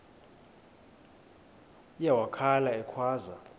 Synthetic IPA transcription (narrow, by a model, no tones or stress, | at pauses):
ijawakʰalaɛkʰwaːza